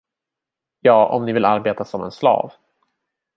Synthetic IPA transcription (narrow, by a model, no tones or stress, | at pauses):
jɑːʔɔ̰mnɪvɪlaɾbeːt̪asɔmɛ̰nslɑ̰ːv